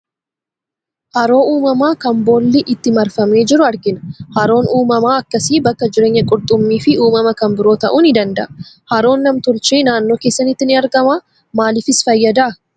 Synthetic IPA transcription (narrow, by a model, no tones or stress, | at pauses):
hɐɾo̞ːuːmɐmaːkɐmbo̞ːlːɛʔɪt̪ːɪmɐɾfɐmeːd͡ʒɪɾʊɐɾɡɪnɐ̥hɐɾo̞ːnuːmɐmaːɐkːɐsiːbɐkːɐd͡ʒɪɾe̞ːɲːɐkʼʊɾt̪ʼʊmːiːfɪuːmɐmɐkɐmbɪɾo̞ːt̪ɐʔuːnɪd̪ɐnd̪ɐʔɐ̥ | hɐɾo̞ːnːɐmt̪ʊɾt͡ʃiːnaːnːoːke̞ːsːɐnɪt̪ːɪnɪɐɾɡɐmaː | maːlɪfɪsfɐjːɐd̪aɐ